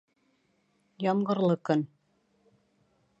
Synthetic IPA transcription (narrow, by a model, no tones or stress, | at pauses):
jɑmʁɤ̆ɾlˠɤkɵn